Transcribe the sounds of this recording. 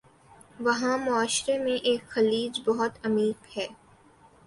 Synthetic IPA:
ʋɐɦãmʊaːʃɾemẽʔeːkxɐliːd͡ʒbɐɦʊt̪ɐmiːqhɛː

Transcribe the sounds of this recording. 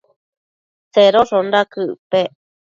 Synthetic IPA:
t͡seɾoʂonɾakɨpe

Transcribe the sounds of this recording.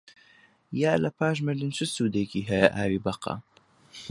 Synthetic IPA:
jaːlɐpʰaːʃ̬mɨɾd̪ɨnt͡ʃʰɨsuːd̪eːkiːɦɐjɐʔaːwiːbɐqɑ̰

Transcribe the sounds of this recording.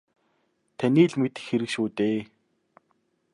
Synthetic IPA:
t̪ʰæniːɮmet̪ɘ̥̆xeɾɘ̆kʃuːt̪eː

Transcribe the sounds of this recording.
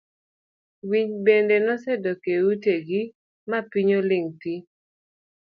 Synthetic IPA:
wiɲbendenɔsɛdɔkeuteɡi | mapiɲolɪŋti

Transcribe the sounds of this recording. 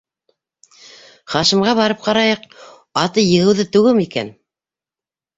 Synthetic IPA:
χɑʃĭmʁɑβɑɾɤp̚qɑɾɑjɤq | ɑt̪ɤjɤ̆ʁɘ̆wðɘt̪ʉɣɘmikæ̰n

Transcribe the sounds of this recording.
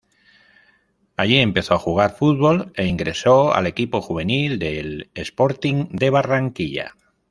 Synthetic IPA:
aʎie̞mpe̞θo̞axuɣ̞aɾfut̪̚βo̞le̞iŋɡɾe̞so̞a̰le̞kipo̞xuβ̞e̞nild̪e̞lespo̞ɾt̪iŋd̪e̞β̞araŋkiʎa̰

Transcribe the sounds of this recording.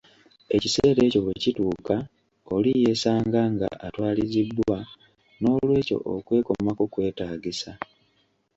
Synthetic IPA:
e̞ciseːɾe̞ːco̞βecituːka | o̞lije̞saːŋɡaŋɡa̰ʔatwaːlizibːwa | no̞ːlwe̞ːco̞̰ʔo̰kwe̞ːko̞makokwe̞ːtaːɡisa

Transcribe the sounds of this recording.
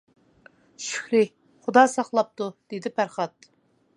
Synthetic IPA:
ʃy̥kʲlɪ | χʊd̪ɑːsɑχlˠɑp̚t̪ud̪̥ed̪ɪpʰæɾχɑt̪̚

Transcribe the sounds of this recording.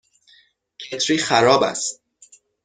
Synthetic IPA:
cʰet̪ʰɾiːxæɾɒːbæ̰st̪̚

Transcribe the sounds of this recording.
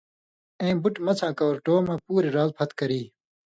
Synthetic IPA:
ẽĩbuʈmɐt͡sʰãːkɐoɾʈoːmãːpuːɾiɾaːzpʰɐt̪kɐɾiː

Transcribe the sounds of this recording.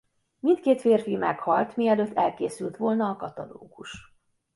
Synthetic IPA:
mint̪keːt̪feːrfimɛkhɒlt̪miɛløːt̪ːɛlkeːsylt̪ʋo̞lnɒːkɒt̪ɒlo̰ːɡuʃ

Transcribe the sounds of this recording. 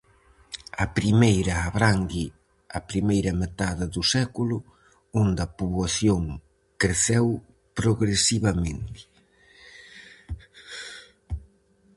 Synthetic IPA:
ɐpɾimejɾɐːβɾaŋɡi | ɐpɾimejɾɐmet̪aðɐðusɛkulʊ | ond̪ɐpuβwaθjoŋ | kɾeθɛw | pɾoɣɾesiβɐmẽnt̪ɪ̥

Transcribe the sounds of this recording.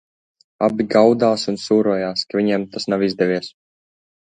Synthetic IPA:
a̰bʲiɡawd̪aːsunsuːɾuɔjaːskaviɲɛmt̪asnawizd̪ɛvʲiɛs

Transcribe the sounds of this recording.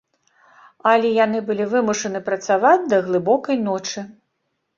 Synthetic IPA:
ɐlʲɛjanɨbɨlʲivɨmuʂɐnɨpɾɐt̪savad͡zʲd̪ɐɣlˠɨbɔkɐjnɔt͡ʂɨ

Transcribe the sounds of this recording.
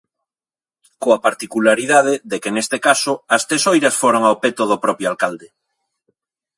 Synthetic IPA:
koapaɾt̪ikulaɾiðað̞eðekenest̪ekasoɐst̪ɾesojɾasfoɾoŋawpet̪oð̞opɾɔpjoalkald̪e

